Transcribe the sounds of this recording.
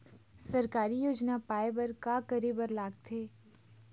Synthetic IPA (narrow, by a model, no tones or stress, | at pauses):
sɐɾkaːɾijoːd͡ʒnapaːebɐɾkaːkəɾebəɾlaːɡt̪ʰeː